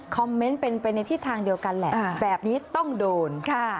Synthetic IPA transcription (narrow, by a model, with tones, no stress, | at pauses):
kʰɔ˧mːe˦˥npe˧npa˧jna˧jt̪ʰiː˥˩t̪ʰaː˧ŋdi˧əwka˧nlɛ˨˩ʔbɛː˨˩p̚niː˦˥t̪ɔ˥˩ŋdoː˧nkʰa˥˩